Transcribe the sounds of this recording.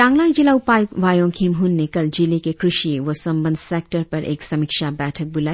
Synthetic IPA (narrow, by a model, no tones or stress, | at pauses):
ʈãːŋɡlãːŋd͡ʒilaupajʋaːjõkʰimɦunːekɐld͡ʒilikekɾɪʃiʋosɐmbənd̪sek̚ʈəɾpɐɾʔḛːksɐmikʃabɛːʈʰək̚bulaːi